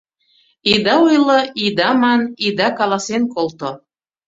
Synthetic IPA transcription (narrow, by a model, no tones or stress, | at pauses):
id̪ɑujlŏid̪ɑmɑnid̪ɑkɑlɑsenkolˠt̪o